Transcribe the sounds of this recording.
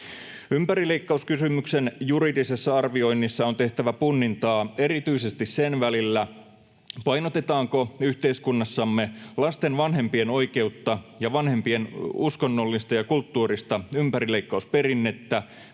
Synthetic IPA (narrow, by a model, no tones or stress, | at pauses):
ympæɾileikːɑuskysymyksenjuɾidisesːɑɑrʋio̞inːisːɑont̪eht̪æʋæpunːint̪ɑːeɾit̪yisest̪issenʋælilːæ | pɑinot̪et̪ɑːŋkoyht̪eiskunːɑsːɑmːelɑst̪enʋɑnɦe̞mpieno̞ike̞ut̪ːɑjɑʋɑnhe̞mpie̞nuskonːolːist̪ɑjɑkult̪ːuːrist̪ɑympæɾile̞ikːɑuspe̞ɾinːet̪ːæ